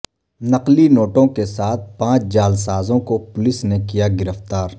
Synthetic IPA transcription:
nɐqlinoːʈõkesaːt̪̚ʰpãːt͡ʃd͡ʒaːlsaːzõkopʊlɪsnekijaɡɪɾəft̪aːɾ

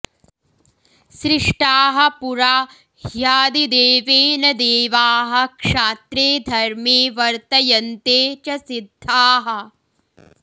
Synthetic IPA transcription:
sɾɪʂʈaːɦɐ̆puɾaː | jaːd̪id̪eːʋeːnɐd̪eːʋaːɦɐkʂaːt̪ɾeːd̪ʱɐɾmeːʋɐɾt̪ɐjɐnt̪eːt͡ʃɐsid̪ʱːaːɦɐ̆

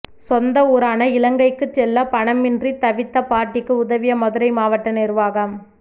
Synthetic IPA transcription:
sɔnd̪ɐuːɾaːnɐɪlɐŋɡɐɪkːɯt͡ʃːɛlːɐpɐɳɐmɪndrit̪ɐʋɪt̪ːɐpaːʈːɪkːɯʊðɐʋɪjɐmɔðɯɾɐɪmaːʋɐʈːɐnɪrʋaːɣɐm

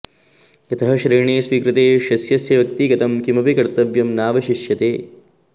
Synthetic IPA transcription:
kɐt̪ɐɦɐʃɾiːɾɳeːsʋiːkɾɪt̪eːʃɐsjɐsjɐʋɐk̚t̪iɡɐt̪ɐmkimɐpikɐɾt̪ɐʋjɐmnaːʋɐʃiʃjɐt̪eː

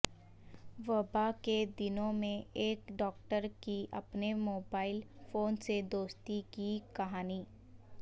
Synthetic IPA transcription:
ʋɐbaked̪ɪnõmẽeːkɖɔːk̚ʈəɾkiɐ̰pnemoːbaːɪlfʰoːnsed̪oːst̪ikikɐɦaːniː

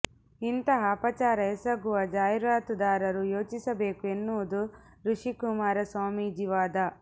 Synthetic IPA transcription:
int̪ɐɦɐpɐt͡ʃaːɾɐesɐɡuʋɐd͡ʒaːjɾaːt̪ud̪aːɾɐɾujoːt͡ʃisɐbeːkuenːuːd̪u | ɾuʂikumaːɾɐswaːmiːd͡ʒiʋaːd̪ɐ

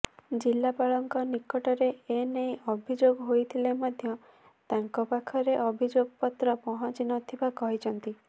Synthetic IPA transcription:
d͡ʒilːapaɭɔŋkɔnikɔʈɔɾeenejʔɔbʱid͡ʒoɡɦojt̪ʰilemɔd̪ʱjɔ | t̪aŋkɔpakʰɔɾeʔɔbʱid͡ʒoɡɔpɔt̪ɾɔpɔɦɔ̃t͡ʃinɔt̪ʰibakɔɦit͡ʃʰɔnt̪i

